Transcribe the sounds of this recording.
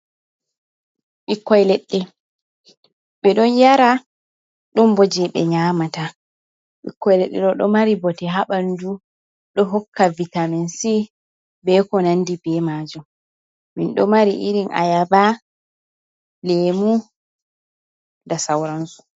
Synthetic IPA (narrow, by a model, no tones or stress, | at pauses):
ɓikːɔjlɛɗːɛ | ɓɛɗɔnjaɾa | ɗɔmbɔd͡ʒɛɓɛ̰ɲamata | ɓḭkːɔjlɛɗːɛɗɔɗɔmaɾibɔtɛɦaɓandu | ɗɔɦɔkːavitamɛnsi | bɛkɔnandibɛmaːd͡ʒum | minɗɔmaɾiʔiɾinʔa̰jaba | lemu | dasawɾansu̥